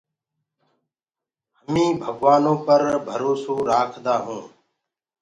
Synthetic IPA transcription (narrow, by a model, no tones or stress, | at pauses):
ɦəmĩːbʱəɠʋaːnõːpəɾbʱəɾoːsõːɾaːkʰd̪aːɦũː